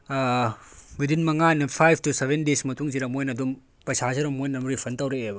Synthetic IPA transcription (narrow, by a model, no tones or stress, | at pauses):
bidinmɐŋanɐpʰajb̚ʰtusebʱendesmɐtuŋziɾɐmojnɐdum | pɐsasiɾɐmojnɐmɾipʰɐntɐwɾeebɐ